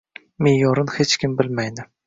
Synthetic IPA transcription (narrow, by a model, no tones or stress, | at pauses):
mejɒɾɨnhet͡ʃkʲʰɪmbɪlmajd̪ɪ